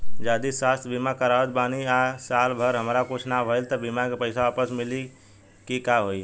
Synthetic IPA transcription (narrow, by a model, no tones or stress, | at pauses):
d͡ʒad̪isast̪ʰbimakəɾaʋət̪baniasalbʱəɾɦəmɾakut͡ʃʰnabʱəjlt̪ɔbimakepəɪsaapəsmili | kikaɦoi